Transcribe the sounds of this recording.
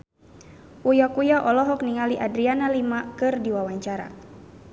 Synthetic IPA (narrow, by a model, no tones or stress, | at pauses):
ʔujakujaʔɔlɔɦɔk̚niŋaliʔadɾianalimakɨrdiwawaɲt͡ʃaɾa̰